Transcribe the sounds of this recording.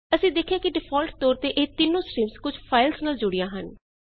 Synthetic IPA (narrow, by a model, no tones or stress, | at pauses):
əsĩːd̪eːkʰːɪjãːkɪɖɪpʰɔːlʈt̪oːɾt̪eːʔeːt̪ɪnːõːsɾiːmskʊd͡ʒpʰaːɪlsnaːld͡ʒʊɽɪjãːɦən